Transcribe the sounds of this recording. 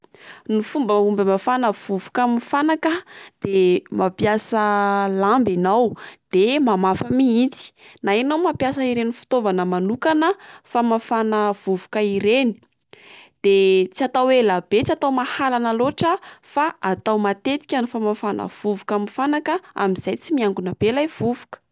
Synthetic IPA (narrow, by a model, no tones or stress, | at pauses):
nufumbəumbəmafanəv̥uvukamifanakəd̪̥emʔapjasəlambanawd̪̥emamafəmiint͡si̥naenawmapjasəiɾenifu̥t̪ovanəmanukanəfamafanəv̥uvukəiɾeni̥ | d̪̥et͡siat̪awwelabet͡siat̪awmahalanaloʈ͡ʂəfaat̪awmat̪et̪i̥kʲanufamafanʔə̰v̥uvukaminfanakəa̰miz̥ajt͡simiaŋɡunəb̥elajv̥uvukə̥